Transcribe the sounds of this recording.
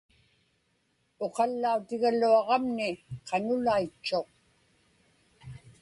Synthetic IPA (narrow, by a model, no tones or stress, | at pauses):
o̞qɑlːaut̪ɪɣaluɑʁɑmnɪqʰɑnʊlait͡ʃːo̞q̚